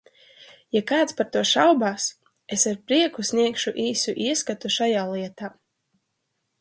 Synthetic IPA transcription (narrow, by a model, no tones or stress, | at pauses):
jakaːt̪spaɾt̪uɔʃawbaːs | esaɾpɾiɛkusʲniɛkʃuʔiːsuʔiɛskat̪uʃajaːlˠiɛt̪aː